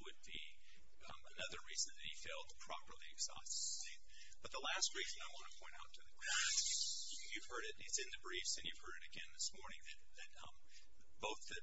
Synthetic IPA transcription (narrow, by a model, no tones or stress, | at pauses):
wɨd̚bḭ | ənʌðə˞ɹizɨ̃nðɨt̚hifeɪlˠd̚pʰɹ̥ɑ̰pə˞lˠiɨɡz̥ɑ̰sttit̚ | b̥ʌt̪̚ðəlæst̚ɹizɨ̃naɪwɑ̃nəpʰɔ̃ɪ̃ɾtaʊtʰɨðɨkʰæ | jʉv̥hɜ˞ɾɪɾɪtsɨ̃nðɨbɹifsɨ̃njʉv̥hɜ˞ɾɨɾɨɡɛ̃nðɨsmɔɹnɪ̃ŋðɨt̪̚ðɨt̚ʌ̃m | b̥oʊθðɨ